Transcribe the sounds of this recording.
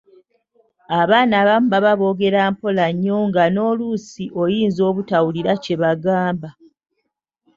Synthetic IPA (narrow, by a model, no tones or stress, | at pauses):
aβaːnaːβamubaβaβo̞ɡe̞ɾaːmpo̞laɲːo̞ŋɡano̞ːlusiʔo̞jiːnzo̞ːβutawuliɾace̞βaɡaːmba